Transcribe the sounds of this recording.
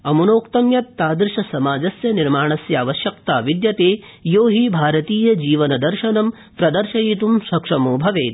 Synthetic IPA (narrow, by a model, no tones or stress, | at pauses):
ɐmunoːkt̪ɐmjɐt̪ːaːd̪ɾʃɐsɐmaːd͡ʒɐsjɐniɾmaːɳɐsjaːʋɐʃjɐkt̪aːʋid̪jɐt̪eː | joːɦibʱaːɾɐt̪iːjɐd͡ʒiːʋɐnɐd̪ɐɾʃɐnɐm | pɾɐd̪ɐɾʃɐjiːt̪umʃɐkʂɐmoːbʱɐʋeːt̪